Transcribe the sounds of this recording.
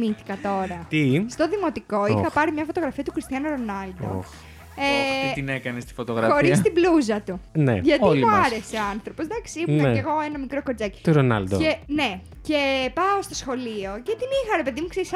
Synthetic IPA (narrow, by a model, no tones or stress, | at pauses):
miθi̥kɐt̪o̞ɾɐt̪ist̪o̞ðimo̞t̪iko̞ixɐpɐɾimɲɐfo̞t̪o̞ɣɾɐfiɐt̪ukɾist̪iɐnuɾo̞nɐld̪o̰ | et̪inekɐnest̪i̥fot̪oɣɾɐxo̞ɾist̪ibluzɐt̪unḛʝɐt̪mluɐɾeseoɐnθɾo̞pozd̪ɐksiimuneeɣo̞enɐmikɾo̞koɾd͡zɐci̥t̪uɾonɐ̰ld̪o̰ene | ce̞pɐost̪o̞sxo̞lio̞ce̞t̪inixɐɾe̞pe̞ðimukseɾis